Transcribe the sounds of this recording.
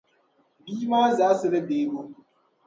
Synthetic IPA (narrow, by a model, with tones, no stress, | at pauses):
biː˦maː˦za˨˦sɨ˦le˦beː˦bo˦